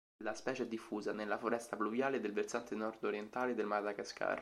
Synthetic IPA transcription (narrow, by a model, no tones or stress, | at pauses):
laspɛːt͡ʃeɛd̪ːifːuːzanelːafoɾɛst̪apluvjaːled̪elversant̪enɔrd̪oɾjent̪aːled̪elmad̪akaska̰ːr